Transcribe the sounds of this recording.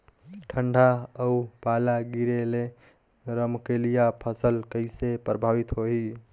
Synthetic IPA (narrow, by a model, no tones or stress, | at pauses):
ʈʰəɳɖʱaəupalaɡiɾele | ɾəmkelijapʰəsəlkəɪsepɾəbʱaʋit̪ɦoɦi